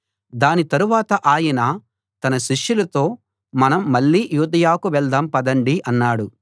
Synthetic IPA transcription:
d̪aːnit̪ɐɾuʋaːt̪ɐʔaːjinɐ | t̪ɐnɐʃiʂjulɐt̪o̞ː | mɐnɐmːɐɭːiːjuːd̪ɐjaːkuʋɛɭd̪ɐmpɐd̪ɐɳɖiʔɐnːaːɽu

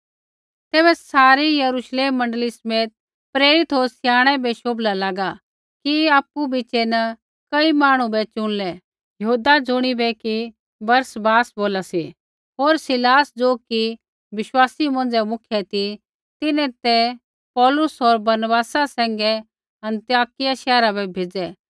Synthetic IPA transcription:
t̪ɛːbɛsaːɾijɐɾuʃleːmːɐ̃ɳɖəlisəmeːt̪̚ | pɾeːɾɪt̪ɦoːɾsɪjaːɽ̃ɛbɛʃoːblalaːɡa | kiaːpːubɪt͡ʃenɐ | kɐimaːɽ̃ũbɛt͡ʃʊ̃ɽ̃lɛ | jɐɦuːd̪ad͡zʊɽ̃ibɛki | bɐɾsbaːsboːlasi | ɦoːɾsɪlaːsd͡zoːki | ʋɪʃwaːsimɐ̃nd͡zɛmʊkʰjɛt̪i | t̪ɪnɛ̃t̪ɛ | pɔːlʊsɔːɾbɐɾnbaːsasɛ̃ːŋɡɛ | ɐ̃nt̪ijaːkɪjaʃɛːɾabɛbʱeːd͡zɛː

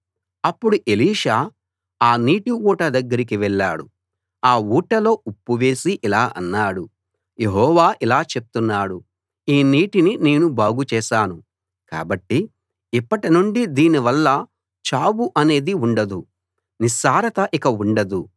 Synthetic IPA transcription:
ɐpːuɽuʔe̞liːʂaː | aːniːʈiuːʈɐd̪ɐɡːɐɾik̬iʋɛɭːa̰ːɽṵ | aːuːʈɐlo̞ːupːuʋe̞ːsiʔilaːʔɐnːaːɽu | je̞ɦɔːʋaːʔilaːt͡ʃe̞p̚ut̪unːaːɽu | iːniːʈinine̞ːnubaːɡut͡ʃɛːʃaːnu | ka̰ːbɐʈːi | ipːɐʈinuɳɖid̪iːniʋɐlːɐ | t͡ʃaːbuʔɐne̞ːd̪iuɳɖɐd̪u | nisaːɾɐt̪ɐʔikɐuɳɖɐd̪u

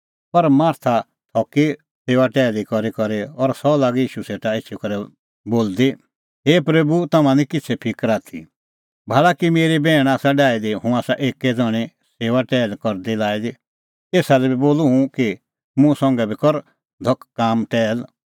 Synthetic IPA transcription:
pɐɾmaːɾt̪ʰa | t̪ʰɔːki | seːʋaʈɛːlikɔɾikɔɾeɔɾsɔlaːɡjiːʃuseːʈaeːt͡ʃʰikɐɾɛ | boːld̪i | ɦeːpɾebut̪ɐmãnikɪt͡sʰɛpʰɪkɾaːt̪ʰḭ | bʱaːɭakimeːɾibɛːɽ̃aːsaɖaːid̪iɦũaːsaʔeːkːɛd͡zɔɽ̃i | seːʋaʈɛːlkɔɾd̪ilaːid̪i | eːsalɛbiboːluɦũki | mũsɔ̃ŋɡɛbikɔɾ | d̪ʱɔkːaːmʈɛːl

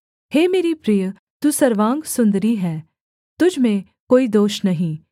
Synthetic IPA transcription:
heːmeːɾipɾiːjə | t̪usɐɾʋãːŋɡsʊ̃nd̪ɾiɦɛː | t̪ʊd͡ʒʱmẽ | koːid̪oːʃnɐɦĩː

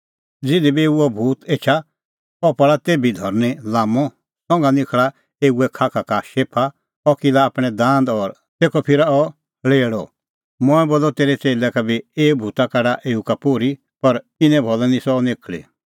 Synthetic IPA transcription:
d͡zɪd̪ibieːuɔbʱuːt̪eːt͡ʃʰa | ɔpɐɭat̪eːbid̪ʱɔɾnilaːmɔ̃ | sɔ̃ŋɡanɪ̃kʰɭa | eːuɛkʰaːkʰakaʃeːpʰa | ɔkilaːpɽ̃ɛd̪ãːnd̪ɔːɾ | t̪eːkʰɔpʰɪɾaɔ | ɭeːɽɔ | mɔ̃ɛ̃boːlɔt̪eːɾɛt͡seːlɛkabieːbʱuːt̪akaɖaʔeːukapoːɾi | pɐɾ | ɪnɛ̃bʱɔlɔnĩsɔnɪkʰlḛ

